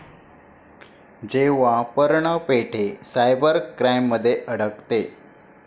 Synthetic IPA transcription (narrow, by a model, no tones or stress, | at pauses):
d͡ʑeʋapəɾɳəpeʈʰesajbəɾkɾajmːəd̪ʱːjeʔəɽ̤əkt̪e